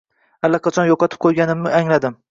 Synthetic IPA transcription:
alːɑqɑt͡ʃʰɒnjɒqʰɑt̪ʰɪ̥p̚qʰojɡʲanɪmnɪaŋlad̪ɪm

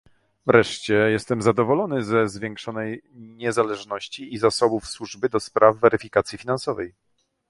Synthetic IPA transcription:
vɾɛʂt͡ɕɛjɛst̪ɛmzad̪ɔvɔlɔnɘzɛzvʲjɛŋkʂɔnɛjɲɛzalɛʐnɔɕt͡ɕiːzasɔbufswuʐbɘd̪ɔspɾavːɛɾɘfʲikat̪sʲjifʲinansɔvɛj

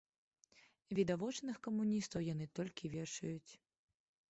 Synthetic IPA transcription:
vʲid̪avɔt͡ʂnɨxkɐmunʲist̪ɐwjanɨt̪ɔlʲkʲivʲɛʂɐjut͡sʲ

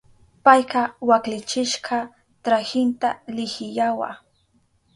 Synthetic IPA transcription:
pajqɑwaklɪt͡ʃɪʃqʰɑ | t̪ɾahɪnt̪alɪhɪjawa̰

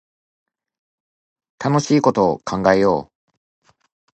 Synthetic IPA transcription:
t̪ano̞ɕiːko̞t̪o̞ːkʰãŋɡaejo̞ː

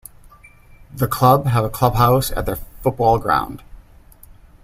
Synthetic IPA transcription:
ðɨkʰl̥ʌbəvəkʰl̥ʌb̚ɦaʊsɨ̰t̪̚ðə˞fʊt̚b̥ɔlˠɡɹã̰ʊ̃nd̥

